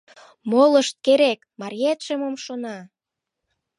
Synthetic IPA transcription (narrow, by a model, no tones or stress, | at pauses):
moləʃt̪̚keɾek | mɑɾʲiet̪ʃemomʃonɑ